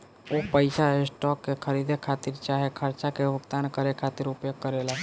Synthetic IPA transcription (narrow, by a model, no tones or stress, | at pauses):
opəɪsaɦesʈɔːkːekʰəɾid̪ekʰat̪iɾt͡ʃaɦekʰəɾt͡ʃakebʱʊkt̪aːnkəɾekʰat̪iɾʊpjoɡ̚kəɾela